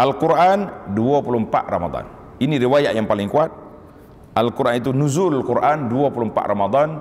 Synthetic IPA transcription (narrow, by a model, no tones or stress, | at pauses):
ʔalkuɾʔanduapulumpa̰ʔ̪rama̰d̪ɑ̰n | iniɾiwajaʔjaŋpalɪŋkuat̪̚ | ʔalkuɾʔanit̪unuzulkuɾʔanduapulumpa̰ʔ̪ɾamad̪ˤan